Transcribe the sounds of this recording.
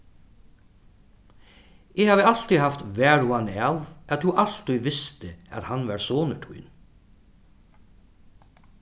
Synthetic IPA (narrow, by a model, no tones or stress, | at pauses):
ʔeːhɑːʋəɑlt̪ihɑft̪ʋæːɹʊɑnɑʋʔɑt̪huːʔɑlt̪iʋɪst̪əʔɑ̰t̪hɑnʋɑːɾsoːnəʈʰʉ̰ʏn